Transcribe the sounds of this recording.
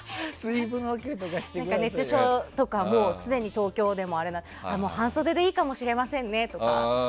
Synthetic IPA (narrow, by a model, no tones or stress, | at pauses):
sɨibɯ̟̃nokʲeɾɯt̪okaɕi̥t̪ːeãŋkane̞t͡ɕɨɕot̪o̞kamo̞ːsɨd̪e̞ɲ̟it̪o̞ːkʲo̞ːd̪e̞mo̞aɾe̞nã | amo̞ːhãɰ̃so̞d̪ed̪eiːkamo̞ɕiɾe̞masẽ̞nːe̞t̪o̞ka̰